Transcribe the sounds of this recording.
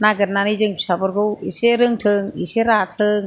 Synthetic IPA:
naɡɯt̚nanijzɯŋpʰi̥sabɯɾɡɯwiseɾɯŋtʰɯŋiseɾatʰɯŋ

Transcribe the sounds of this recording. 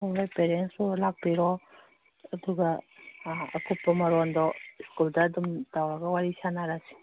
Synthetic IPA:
ɔbajpeɾensulaɡ̚piɾɔː | duɡa̰ː | kʰupːɔmaɾɔndɔskuldaːdumdawɾaɡawaɾisanaɾasi̥

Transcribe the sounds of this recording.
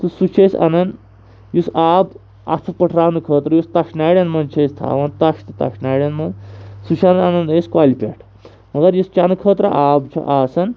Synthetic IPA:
t̪ɨsut͡ʃʰesɐ̰nɐn | jusaːb | ɐ̰t̪ʰɐpɐʈʰɾaːnɨkʰəːt̪ɾɐjust̪ɐʃnaːɽʲɐnmɐnt͡ʃʰɐst̪ʰa̰ːʋɐnt̪ɐʃt̪ɨt̪ɐ̰ʃnaːjɽjɐnmɐnsut͡ʃʰɐnɐnɐnɐskwaːlipʲḛːʈʰ | mɐɡɐɾjust͡ʃanɨkʰəːt̪ɾɐʔaːbt͡ʃʰɐ̰ʔaːsɐn

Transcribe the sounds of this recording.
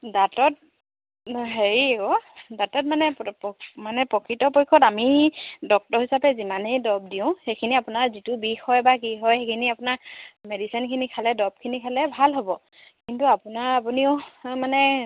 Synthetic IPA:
datɔt̚ | nɦeɹikɔdatɔt̚manɛppmanɛpɹɔkʰɹitɔpojkʰːɔtamidɔk̚tɔɹɦisapɛzimanejdɔb̚diʊ̃xejkʰiniapʊnaɹzitʊbixɔjbakiɦɔjejkʰiniapʊnaɹmedisinkʰinikʰalɛdɔb̚kʰinikʰalɛbʱalɦobɔ | kintuapʊnaɹapuniʊmanɛ

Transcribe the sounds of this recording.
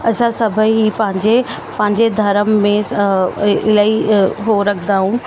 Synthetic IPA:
ɐsãsɐbʱəɦipɐ̃ɦɪ̃ɲd͡ʑe | pɐ̃ɦɪ̃ɲd͡ʑed̪ʱɐɾəmːẽ | ɪlaːiɦoɾɐkʰd̪aːɦũː

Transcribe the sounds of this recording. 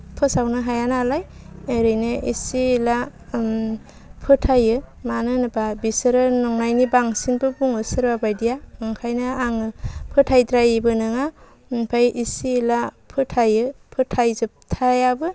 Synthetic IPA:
pʰɯsawnɯɦajanaːlajeɾɯjnɯʔisiːla | pʰɯtʰajɯmanɯnɯbabisɯɾɯnɔŋnajnibaŋsinbɯbuŋɯsɯɾbabajdijaɯŋkʰajnɯaŋɯpʰɯtʰajdɾajbɯnɯŋa | npʰajisiːlapʰɯtʰajɯpʰɯtʰajzɯp̚tʰajabɯ

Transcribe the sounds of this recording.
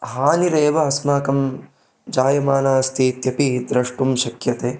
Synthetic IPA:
ɦaːniɾeːʋɐɐsmaːkɐm | d͡ʒaːjɐmaːnaːst̪ʰit̪jɐpid̪ɾɐʂʈumʃɐkjɐt̪eː

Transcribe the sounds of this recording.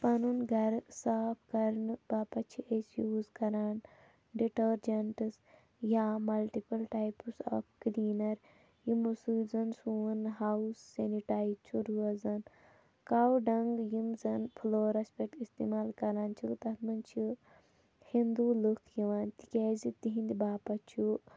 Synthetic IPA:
pɐnunɡʱɐɾsaːpʰkɐɾnbaːpɐt͡ʃʰiʔesjuːzkɐɾaːn | ɖiʈɐɾd͡ʒɐɳʈs | jaːmɐlʈipɐlʈaːjpsɔ̰ːfkliːnɐɾ | jimusuzɐnsuːnɦausːeniʈaːjit͡ʃʰuɾuɐzɐn | kaːwɖɐŋɡjimzɐnpʰuloːɾɐspek̚ʈist̪ḭmaːlkɐɾaːnt͡ʃʰukt̪ɐt̪ʰmɐnt͡ʃʰi | hind̪ulukʰjiʋaːnt̪i̥kʲeːzit̪iɦĩnd̪ibaːpɐt͡ʃʰu

